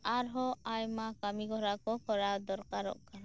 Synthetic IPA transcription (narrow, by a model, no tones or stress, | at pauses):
aɾɦɔajmakamiɡɔɾakɔkɔɾad̪ɔɾkaɾɔ̰ʔkana